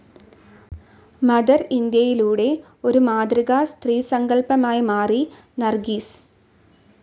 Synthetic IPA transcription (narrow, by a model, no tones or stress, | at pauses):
mɐðɐɾind̪jɐjiluːɽe̞ | o̞ɾumaːd̪riɣaːst̪riːsɐŋɡɐɭpɐmaːjɐmaːri | nɐrɡiːs